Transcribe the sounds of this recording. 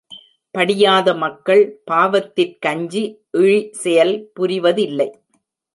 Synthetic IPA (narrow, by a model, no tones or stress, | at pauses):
pɐɽɪjaːðɐmɐkːɐɭpaːʋɐt̪ːɪrkɐɲd͡ʒiʔɪɻisɛjɐlpʊɾɪʋɐðɪlːɐɪ